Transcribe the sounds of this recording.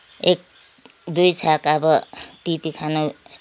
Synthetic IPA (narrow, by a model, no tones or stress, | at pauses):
ek̚ | d̪ujt͡sʰakʌbʌt̪ipikʰano